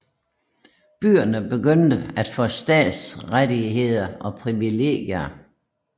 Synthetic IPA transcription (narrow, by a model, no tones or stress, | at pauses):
b̥y̰ːɐnəb̥e̝ɡøn̰d̥əæd̥fɒsd̥ɛ̰ːd̥sʁadiɦe̝ð̰ˠɐɒ̽pʰʁiʋile̝̰ːɡ̥jɐ